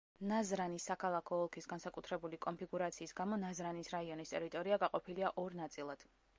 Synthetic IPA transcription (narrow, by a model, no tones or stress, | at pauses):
nazɾanisːakʰalˠakʰɔːlˠkʰisɡansakʼut̪ʰɾɛbulikʼɔnpʰiɡuɾat̪sʰiːsɡamɔnazɾanisɾaiɔnist̪ʼɛɾit̪ʼɔɾiaɡaqʼɔpʰiliaʔɔɾnat̪sʼilˠad̪̥